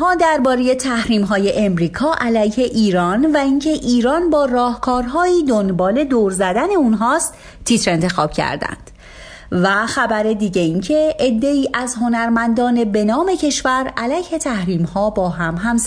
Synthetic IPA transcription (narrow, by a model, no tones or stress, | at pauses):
ɦɒːd̪æɾbɒːɾe̞je̞t̪ʰæhɾiːmɦɒːje̞ʔemɾiːkʰɒːʔælæjhe̞ʔiːɾɒːnvæincʰe̞ʔiːɾɒːnbɒːrɒːhkʰɒːɾɦɒːiːd̪onbɒːle̞d̪oːɾzæd̪æne̞unɦɒːst̪ | t̪ʰːit̪ɾe̞nt̪ʰe̞xɒ̰ːb̥cʰæ̰ɾd̪æ̰nd̪̥ | væxæbæɾe̞d̪iːɟe̞iːncʰe̞ed̪ːe̞iːʔæzɦo̞næɾmænd̪ɒːne̞be̞nɒːme̞cʰe̞ʃvæɾælæjhe̞t̪ʰæhɾiːmhɒːbɒːɦæmɦæms